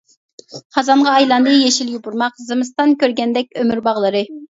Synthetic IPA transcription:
χɑzɑɴʁɑːjlˠɑnd̪ɨjeʃiljʲibuɾmɑqzɨmɨst̪ɑnkʲʰøɾɡʲɛnd̪ɛk̚ʲømyɾbɑʁlˠɨɾɨ

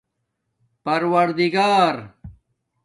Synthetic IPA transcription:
pɐɾwɐɾd̪iɡaːɾ

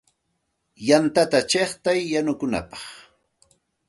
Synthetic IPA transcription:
jant̪at̪at͡ʃeχt̪ajːanʊkʊna̰pɑ̥χ

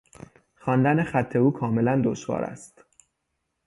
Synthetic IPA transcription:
xɒːnd̪ænexæt̪ʰːe̞uːkʰɒːme̞lænd̪oʃvɒ̰ːɾæ̰st̪

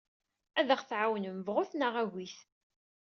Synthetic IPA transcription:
æðəχθʕawnəmvʁʊθnəʁæɣiθ

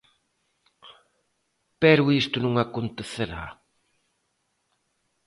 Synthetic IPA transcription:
pɛɾʊist̪ʊnũŋakont̪eθeɾa̰

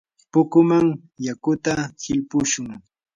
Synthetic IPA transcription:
pʊkʊmaŋ | jakʊt̪ahɪlpʊʃʊŋ

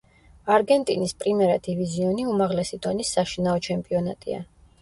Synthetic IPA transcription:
aɾɡɛnt̪ʼinispʼɾimɛɾad̪iviziɔniumaʁlɛsid̪ɔnisːaʃinaɔt͡ʃʰɛmpʼiɔna̰t̪ʼḭa̰

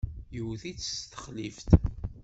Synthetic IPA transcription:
jəwθit͡sːst̪ə̥χlift̪

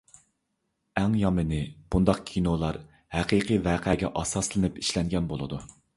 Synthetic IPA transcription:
æŋjɑmɨnɪb̥und̪ɑqkʲʰinolˠɑɾ | hæqʰiqʰivæːqʰɛɡʲɛ̰ʔɑsɑslˠɨnɨpiʃlɛŋɡʲɛnbolˠɨ̰d̪u

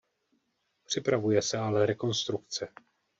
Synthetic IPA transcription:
pr̝̥ɪpɾavujɛsɛalɛɾɛko̞nst̪ɾukt͡sɛ

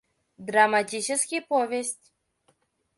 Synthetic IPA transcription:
d̪ɾamat̪it͡ʃɛskʲipɔvest̪ʲ

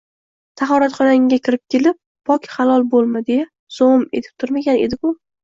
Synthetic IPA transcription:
sʰaχɒɾat̪χɒnaŋɡʲakʲʰɪɾɪp̚kʲe̞lɪp̚ːɒkʲχalˠɒlˠbolˠmad̪eja | z̥ome̞t̪ʰɪp̚t̪ʰʊɾmaɡʲane̞d̪ɪkʰʊ

